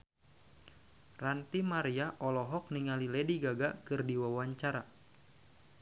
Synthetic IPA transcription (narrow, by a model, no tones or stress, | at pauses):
rant̪imaɾiaʔɔlɔɦɔk̚niŋalilɛdiɡaɡakɨrdiwawaɲt͡ʃaɾa